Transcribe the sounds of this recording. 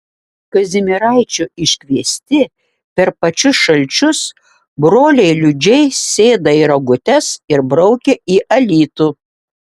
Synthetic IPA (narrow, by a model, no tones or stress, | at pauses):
kɐzʲɪmʲɪɾɑˑɪt͡ʃʲuʔɪʃʲkʲʋʲiɛsʲt̪ʲɪ | pʲɛɾpɐt͡ʃʲʊsʃɐlʲt͡ʃʲʊs | bɾoːlʲɛɪlʲʊd͡ʒʲɛɪsʲeːd̪ɐiɾɐɡʊt̪ʲɛsɪɾbɾɔʊkʲɛiːʔɐlʲiːt̪uː